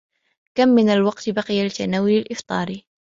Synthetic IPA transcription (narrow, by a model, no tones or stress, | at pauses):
kamːɪnalwɑqt̪baqɪjalɪt̪ːanaːwɪlalʔɪft̪ˤɑ̰ːɾ